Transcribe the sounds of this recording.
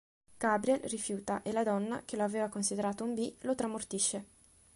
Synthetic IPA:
ɡ̥abɾiɛlrifjuːt̪aʔelad̪ɔnːa̰k̟eloaveːvakonsid̪eɾaːt̪oumbilot̪ɾamort̪iʃːe

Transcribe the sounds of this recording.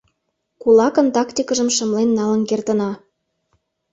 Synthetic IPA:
kulɑkə̆nt̪ɑkt̪ʲikəʒə̆mʃə̆mlenːɑlə̆nkert̪ə̆nɑ

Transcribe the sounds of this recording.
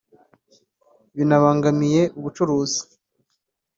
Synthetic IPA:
βinaβaːŋɡamije̞ʔuβut͡ʃuɾuːzi̥

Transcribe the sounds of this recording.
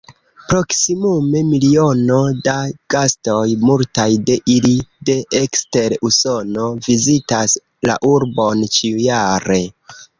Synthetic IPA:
pɾo̞ksimume̞milio̞no̞daɡ̥asto̞jmultajde̞ʔilide̞ʔekste̞ɾuso̞no̞vizitas | la̰ʔuɾbo̞nt͡ʃiujaɾe̞

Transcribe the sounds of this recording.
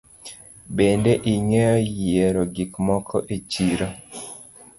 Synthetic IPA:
bendeʔiŋejɔjeɾoɡikmɔkʰɔ̰ʔet͡ʃiɾo

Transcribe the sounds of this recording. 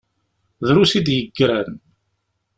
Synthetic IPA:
ðɾusid̪jəɡːɾæn

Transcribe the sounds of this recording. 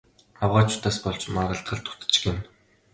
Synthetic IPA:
awʁaːt͡ɕʊ̥t̪aːspɔɮt͡ɕmaʁə̆ɬt̪̚ɢə̆ɮt̪ʰʊ̥t̪ɘ̥̆t͡ɕ̆ɡɪ̆m

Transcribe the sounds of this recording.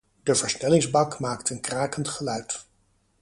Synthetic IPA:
dəvəɹsnɛlɪŋzbɑkmaːktənkraːkəntχəlœɥt

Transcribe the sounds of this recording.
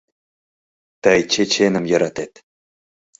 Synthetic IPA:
t̪əjt͡ɕʰet͡ɕenə̆mjɑɾɑt̪et̪

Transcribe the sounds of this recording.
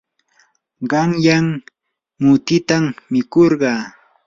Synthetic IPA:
ɢɑŋjam | mʊt̪ɪt̪ammɪkoɾɢɑː

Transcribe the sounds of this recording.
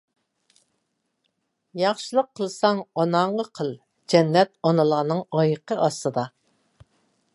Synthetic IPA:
jɑχʃɨlˠəqʰːəlˠsɑŋɑnɑɴʁəqʰəlˠ | d͡ʒɛnːɛt̪̚ɑnɨlˠɑnɨŋɑjəqʰəʔɑst̪ɨd̪ɑ

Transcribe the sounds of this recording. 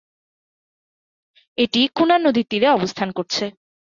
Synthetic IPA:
eʈikunaɾnod̪ʱit̪ːiɾeɔbost̪ʰankoɾt͡ɕʰe

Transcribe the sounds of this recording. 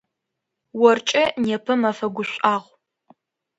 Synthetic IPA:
wɔrt͡ʃʼɐneːpʰɨmɐfɐɡʷʊɕʷʼaːʁʷ

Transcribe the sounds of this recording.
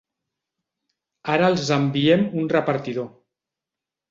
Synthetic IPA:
aɾəːlˠzəmbiemunrəpaɾt̪iðo

